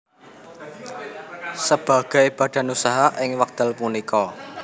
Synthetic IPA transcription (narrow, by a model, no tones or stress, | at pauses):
səb̥a̤ɡ̥aib̥a̤ɖ̥a̤nusaɦaʔɪŋwak̚d̪̥əlpunikɔ